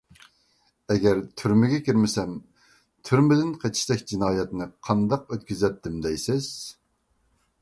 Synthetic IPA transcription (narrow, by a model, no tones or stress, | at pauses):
ɛɡʲɛɾt̪ʰyɾmɪɡʲɛkʲiɾmɪsɛm | t̪ʰyɾmɪd̪ɪnqʰet͡ʃʰi̥ʃd̪ɛkʲd͡ʒinɑːjɛt̪nɨqʰɑnd̪ɑqøt̪̚kʲyzɛt̪ʰːɪmd̪ɛjsɪz̥